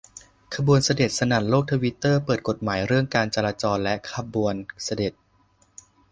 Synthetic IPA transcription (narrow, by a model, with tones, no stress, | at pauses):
kʰa˧bu˧ənsa˧de˨˩t̪̚sa˧na˨˩nloː˥˩k̚t̪ʰa˧wi˦˥t̪ːɤː˥˩pɤː˨˩t̪̚ko˨˩t̪̚maː˩˦jɾɯ˥˩əŋkaː˧nt͡ɕa˧laː˧t͡ɕɔː˧nlɛ˦˥kʰa˧bu˧ənsa˧de˨˩t̪̚